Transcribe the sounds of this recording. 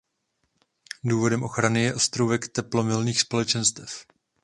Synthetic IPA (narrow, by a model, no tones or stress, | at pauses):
duːvo̞dɛmʔo̞xɾanɪjɛʔo̞st̪ɾowvɛkt̪ɛplomɪlniːxspolɛt͡ʃɛnst̪ɛf